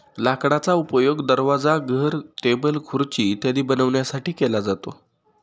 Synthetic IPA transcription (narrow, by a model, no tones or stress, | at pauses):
lakɽ̃at͡saupəjoɡd̪əɾʋad͡zaɡʱəɾʈebəlkʰuɾt͡ɕiːt̪jad̪iːbənəʋɳjasaʈiːkelad͡zat̪o